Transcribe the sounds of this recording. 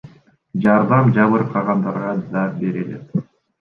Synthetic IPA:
d͡ʒɑɾd̪ɑmd͡ʒɑβɯɾqʰɑʁɑnd̪ɑɾʁɑd̪ɑbe̞ɾelḛt̪

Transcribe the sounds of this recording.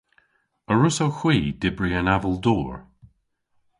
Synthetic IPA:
əɹʊsoxw̥iːd̥ɪbɹiənavəlˠd̪ɔːɹ

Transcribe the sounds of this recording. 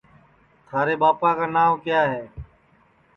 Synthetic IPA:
t̪ʰaːɾeːbaːpaːkaːnaːmkjaːɦɛː

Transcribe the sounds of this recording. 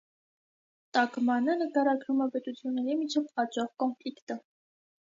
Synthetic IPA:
t̪ɑkmɑnənəkɑɾɑɡɾumɛpɛt̪ut͡sʰjunːɛɾimit͡ʃʰɛvɑt͡ʃɑχkɔnflikt̪ə

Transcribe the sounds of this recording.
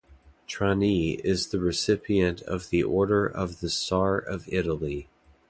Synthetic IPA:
tʰɹ̥ɑniɪzðɨɹɨsɪpʰiɨ̃ntʰʌ̰vðiʔɔɹɾə˞ʔʌvðɨsɑɹʌvɪɾl̩ˠi

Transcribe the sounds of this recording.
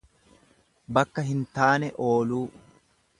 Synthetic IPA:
bɐkːɐɦɪnt̪aːnɛʔoːluː

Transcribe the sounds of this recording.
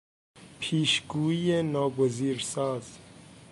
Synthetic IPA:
pʰiːʃɡuːijenɔːboziːɾsɑːz̥

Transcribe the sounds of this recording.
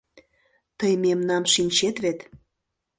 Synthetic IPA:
t̪əjmemnɑmʃinʲt͡ɕet̪βet̪

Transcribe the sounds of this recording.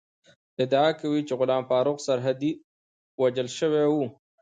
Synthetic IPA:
ɪd̪aakawit͡ʃeɣʊlɑːmfɑːɾʊqsaɾɦad̪i | wad͡ʒəlʃəwewu

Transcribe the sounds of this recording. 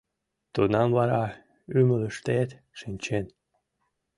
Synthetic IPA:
t̪unɑmvɑɾɑ | ymələʃt̪et̪ | ʃɨnʲt͡ɕen

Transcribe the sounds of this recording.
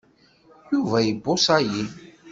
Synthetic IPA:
juvæjəbːosæji

